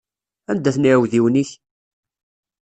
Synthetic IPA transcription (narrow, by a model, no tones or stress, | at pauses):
ænd̪ːæθniʕwðiwniç